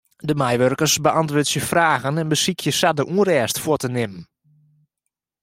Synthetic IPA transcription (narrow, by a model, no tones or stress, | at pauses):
dəmajʋørkərsbəʔɑntʋʊːtsjəfraːɣənɛnbəsikʰjəsadəʔuərɛːstfʊtənɪmən